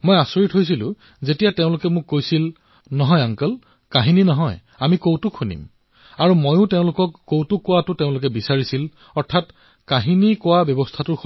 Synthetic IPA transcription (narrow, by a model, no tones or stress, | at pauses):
mojasoɹitɦojs̬ilʊ̰̃ | zetijateʊ̃lʊkɛmʊkːojsil | nɔɦɔjaŋkəl | kaɦininɔɦɔj | amikowtʊkʰunḭm | aɹumojʊ̃teʊ̃lʊkɔkːowtʊkːʊwatʊteʊ̃lʊk̬ɛbisaɹisil | ɔɹtʰat | kaɦinikʊwabjɔbɔstʰatʊ